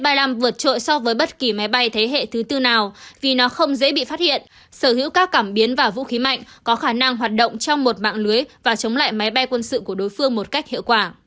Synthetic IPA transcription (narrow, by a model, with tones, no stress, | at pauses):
jɓa˧jlaː˧˩mvɨ˨˩ət̚t͡ɕo̰˧˨jsɔ˧vəː˨˦jɓə˦˥t̚ki˧˩ma˨˦jɓa˧jt̪ʰə˨˦jɦḛ˧˨t̪ʰɨ˨˦t̪ɨ˧naː˨˩wvi˨˩nɔ˨˦xə˧wŋ͡mzḛ˧˥ɓḭ˧˨faː˦˥t̚hḭ˧˨ən | səː˧˩hḭ˧˥wkaː˦˥kːaː˧˩mɓi˨˦ənvaː˨˩vṵ˧˥xi˨˦ma̰˧˨jŋ̟kɔ˨˦xaː˧˩na˧ŋɦwaː˨˩t̚ɗə̰˧˨wŋ͡mt͡ɕɔ˧wŋ͡mmo˨˩t̚ɓa̰ː˧˨ŋlɨ˨˦əjvaː˨˩t͡ɕə˨˦wŋ͡mla̰ː˧˨jma˨˦jɓa˧jkwə˧nsɨ̰˧˨ku˧˩əɗo˨˦jfɨ˧əŋmo˨˩t̚ka˦˥k̚hḭ˧˨wkwaː˧˩